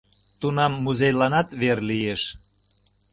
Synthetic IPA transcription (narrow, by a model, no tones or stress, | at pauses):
t̪unɑmːuzejlɑnɑt̪βerlijeʃ